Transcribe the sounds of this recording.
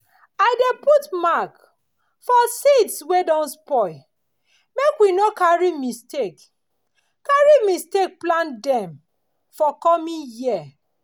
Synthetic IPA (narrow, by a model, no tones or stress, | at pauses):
aɪdeputmak | fɔsitswedɔ̃nspɔ | mekwinokaɹimistek | kaɹimistek̚plãndɛ̃m | fɔkɔmĩnjia